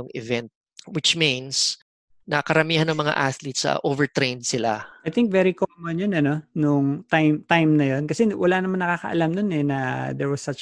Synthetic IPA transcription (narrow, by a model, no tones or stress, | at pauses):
ʊŋɪvɛnt̪̚ | wɪt͡ʃmĩns | nɐkɐɾɐmiːhɐnːɐŋmɐŋa̰ʔaθlit̪sɐ̰ʔovɛɹt̪ɾẽjnd̪̚sɪla̰ɐjθɪŋk̚vɛɾikomɐnjonɐno̞nʊŋt̪ajmt̪ajmnɐjonkɐsɛwɐlanɐmanːɐkaːkɐ̰ʔɐ̰lamnonɛnɐd̪ɛɹwɐsɐt͡ʃ